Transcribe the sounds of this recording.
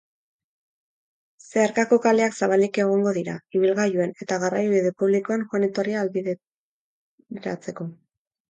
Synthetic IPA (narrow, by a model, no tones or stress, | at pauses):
seaɾkako̞kale̞aksaβ̞alike̞ɣ̞o̞ŋɡo̞ðiɾaiβ̞ilɣajue̞ne̞t̪aɣarajβiðe̞puβlikoanxanit̪o̞riaːlβið | ɾa̰t͡se̞ko̞